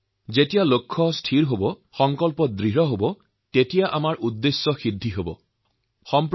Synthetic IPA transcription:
zetijalokʰːɔstʰiɹɦobɔxɔŋkɔlpɔdɹiɦɔɦobɔ | tetijaʔamaɹʔudːesːɔxidʱːiɦobɔ̰ | xɔmp

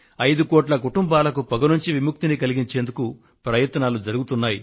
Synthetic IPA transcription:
ɐjd̪ukɔːʈlɐkuʈumbaːlɐkupɐɡɐnuɲt͡ʃiʋimuk̚t̪inikɐliɡiɲt͡ʃe̞ːnd̪uku | pɾɐjɐt̪ɐnaːlud͡ʒɐɾuɡut̪unːaːji

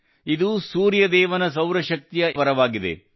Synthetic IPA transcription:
id̪usuːɾjɐd̪ɛːʋɐnɐs̬ɐwɾɐʃɐk̚t̪ijɐʋɐɾɐʋaːɡid̪ḛ

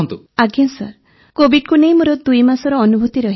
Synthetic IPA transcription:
nt̪u | aɡjansɔ̰ɾ | kobiɖkunejmoɾod̪ujmasɔɾɔːnubʱut̪iɾɔɦi

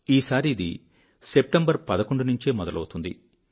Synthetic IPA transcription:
iːsaːɾiːd̪ḭ | se̞p̚ʈɐmbɐɾpɐd̪ɐko̞ɳɖunuɲt͡ʃeːmɔd̪ɐlɐ̰wt̪und̪ḭ

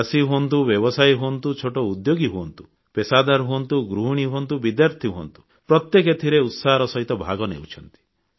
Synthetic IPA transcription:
asiɦuɔnt̪̬ubjɔbɔsajɦuɔnt̪ut͡ʃʰoʈɔud̪joɡiɦuɔnt̪u̥ | pesad̪aɾɦuɔnt̪uɡɾuɦuɽ̃iɦuɔnt̪ubid̪jaɾt̪ʰiɦuɔ̰nt̪u̥ | pɾɔt̪jeket̪ʰiɾeut̪saɦɔɾɔsɔɦit̪ɔbʱa̰ɡɔnḛwt͡ʃʰɔnt̪i̥

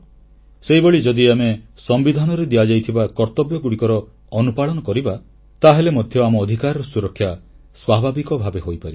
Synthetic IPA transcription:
sejbeɭid͡ʒɔd̪iame | sɔmbid̪ʱanɔɾed̪ijad͡ʒajt̪ʰibakɔɾt̪ɔbjɔɡuɽikɔɾɔː | nupaɭɔnɔkɔɾiba | t̪aɦelemɔd̪ʱjɔamɔːd̪ʱikaɾɔɾɔsuɾɔkʰːja | swabʱabikɔbʱabeɦojpaɾi

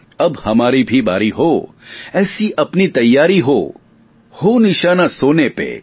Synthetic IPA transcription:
ɐbhɐmaːɾibʱiba̰ːɾiɦo | ɛːsiʔɐpnit̪ɐjːaːɾiɦo | honɪʃaːnasoːnepḛ

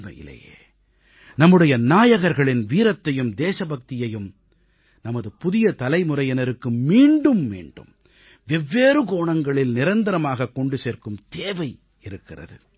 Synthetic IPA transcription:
mɐ̰jɪ̰lːɐ̰jḛː | nɐmːɯɽɐjɐnaːjɐɣɐɾɣɐɭɪnʋiːɾɐt̪ːɐjɯmd̪eːsɐbɐk̚t̪ɪjɐjɯm | nɐmɐðɯpʊðɪjɐt̪ɐlɐɪmʊrɐjɐnɐɾɯkːɯmiːɳɖɯmːḛːɳɖɯ̰m | ʋɛʋːeːɾɯɡoːɳɐŋɡɐɭɪlnɪɾɐnd̪ɐɾɐmaːɣɐkːɔɳɖɯseːɾkɯmt̪eːʋɐɪ | ɪɾɯkːɪrɐ̰ðɯ̰

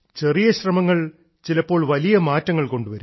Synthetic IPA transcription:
t͡ɕe̞rijɐɕrɐmɐŋːɐɭ | t͡ɕilɐpːo̞ːɭʋɐlijɐmaːtːɐŋːɐɭko̞ɳɖuʋɐɾu

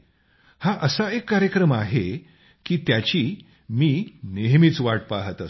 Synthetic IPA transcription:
haʔəsaekːaɾjəkɾəmaɦe | kiːt̪jat͡ɕiː | miːneɦmiːt͡sʋaʈ̚paɦt̪ət

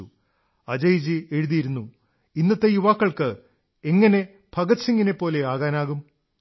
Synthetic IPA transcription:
ṵ | ɐd͡ʑɐjd͡ʑieɻuðijiɾunːu | inːɐt̪ːe̞juʋaːkːɐɭkɨ | e̞ŋːɐne̞ | b̥ʱɐɡɐt̪siŋːɡine̞pːo̞ːle̞aːɣaːnaːɣum

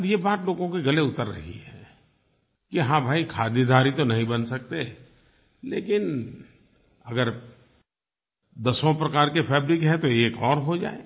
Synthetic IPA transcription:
ɾjebaːt̪loːɡõkeɡɐleʊt̪əɾːɐ̰ɦḭɦɛ̃ː | kiɦãbʱaːikʰaːd̪id̪ʱaːɾit̪onɐɦĩbɐnsɐk̚t̪e | lḛːkɪn | ɐɡəɾ | d̪ɐsõpɾɐkaːɾkefʰɛːbɾɪkɦɛ̃t̪oeːkɔːɾɦod͡ʒa̰ːḛː

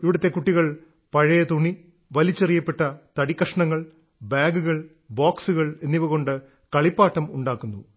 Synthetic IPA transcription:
iʋiɽɐt̪ːe̞kuʈːiɣɐɭ | pɐɻɐjɐt̪uɳi | ʋɐlit͡ɕːerijɐpːeʈːɐt̪ɐɽikːɐʂɐɳɐŋːɐɭ | baːɡuɣɐɭ | baːksuɣɐɭe̞nːiʋɐɣo̞ɳɖɨ | kɐɭipːaːʈːɐmuɳɖaːkːunːṵ

